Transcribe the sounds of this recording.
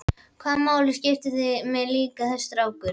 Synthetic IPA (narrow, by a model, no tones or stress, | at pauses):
kʰamːaːwlɪscɪft̪ɪθɪmɛðliːkaθɛst̪ɾaːwkʏɾ